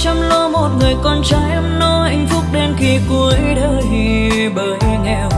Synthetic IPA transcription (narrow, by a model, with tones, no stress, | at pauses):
t͡ɕɔ˧ŋ͡mlo˧mo˨˩t̚ŋɨ˨˩əjkɔ˧nt͡ɕaː˨˦jʔə˧˦mno˧ʔa˧ŋ̟fʊ˦˥k͡p̚ɗe˧nxi˧ku˨˧˦əjɗəː˧ | i˧˩ | ɓəː˨˩jŋɛ̰˧˩w